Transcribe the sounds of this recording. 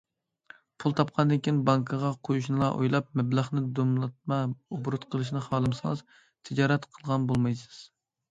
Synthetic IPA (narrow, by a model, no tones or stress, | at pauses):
pʰulˠt̪ʰɑp̚qʰɑnd̪ɨnkʲinbɑŋkʰɨʁɑqʰojuʃnɨlˠɑʔo̰jlˠɑp̚mɛbləχnɨd̪omlˠɑt̪̚mɑobɾut̪qʰəlˠɨʃnɨχɑːlˠɨmsɨŋz̥ | t̪ʰɪd͡ʒɑːɾɛt̪qʰəlˠʁɑnbolˠmɑjsɨz̥